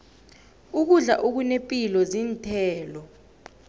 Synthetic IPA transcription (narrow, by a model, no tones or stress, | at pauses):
uk̬uɮa̰ʔok̬unepʼilɔziːntʰɛːlɔ